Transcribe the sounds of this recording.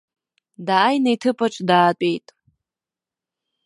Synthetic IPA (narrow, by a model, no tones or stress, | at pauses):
daːjnejtʰɨpʰaʈ͡ʂʷʼdaːtʼejtʼ